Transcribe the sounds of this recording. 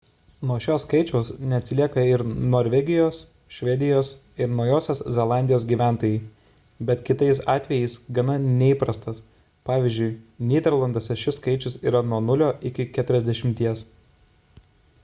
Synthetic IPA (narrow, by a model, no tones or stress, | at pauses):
nuɔʃʲoːskɐɪt͡ʃʲɛʊsnʲɛɐt̪ʲsʲɪlʲiɛkɐɪɾnoːɾʲʋʲɛɡʲɪjoːs | ʃʲʋʲɛd̪ʲɪjoːs | ɪɾnɒʊjoːsʲoːszʲɛlˠɑˑnʲd̪ʲɪjoːs̬ɡʲiːʋʲæˑnt̪oːjɛɪ | bʲɛt̪kʲɪt̪ɐɪs̬ɑːt̪ʲʋʲɛjɛɪsɡɐnɐnʲɛiːpɾɐst̪ɐs | pɑːʋʲiːzʲd͡ʒʲʊɪnʲiːd̪ʲɛɾlˠɐnd̪oːsʲɛʃʲɪskɐɪt͡ʃʲʊsḭːɾɐnuɔnʊlʲoːʔɪkʲɪkʲæːt̪ʊɾʲɛzʲd̪ʲɛʃʲɪmʲt̪ʲiɛs